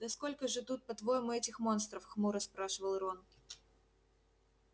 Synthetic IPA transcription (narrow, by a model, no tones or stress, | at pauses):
d̪ɐsko̞lʲkəʐɨt̪ut̪̚pɐt̪vo̞jɪmʊɛtʲɪxmo̞nst̪ɾəfxmuɾəspɾaʂɨvəlˠɾon